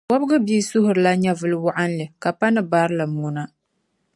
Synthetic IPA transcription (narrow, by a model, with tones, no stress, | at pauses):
wɔ˦bɡɨ˦biː˦sʊ˦hʊ˨ɾɨ˨la˦ɲɛ˦vɨ˦lɨ˦wʊ˦ʔa˦nlɨ˨ka˨pa˦nɨ˦baː˦ɾɨ˦lɨ˨muː˦na˦